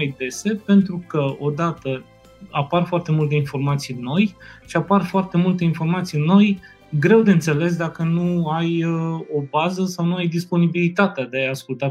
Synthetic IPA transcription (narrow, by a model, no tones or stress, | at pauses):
ajd̪e̞se̞pe̞nt̪ɾukəo̞d̪at̪ə | aparfoart̪e̞mult̪e̞info̞rmat̪sijɨnːo̞jʃiaparfoart̪e̞mult̪e̞info̞rmat̪sijɨnːo̞j | ɡɾe̞wd̪e̞ɨnt̪se̞le̞s̬d̪akənuajəo̞bazəsawnuajd̪ispo̞nibilit̪at̪ead̪e̞ajaskult̪a